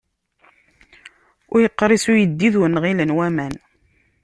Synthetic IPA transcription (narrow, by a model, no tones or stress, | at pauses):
ʊɾjəqːɾˤisujəd̪ːiðwnʁilənwæmæn